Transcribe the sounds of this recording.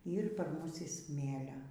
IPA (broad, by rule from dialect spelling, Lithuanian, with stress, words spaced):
ˈiːr pɐr ˈmʊs ɪ ˈsʲmʲeːlʲɛ